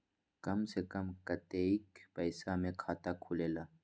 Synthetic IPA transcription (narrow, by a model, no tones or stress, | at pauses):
kɐmsekɐmkɐt̪eikpɐɪsamẽkʰaːt̪akʰuːleːlaː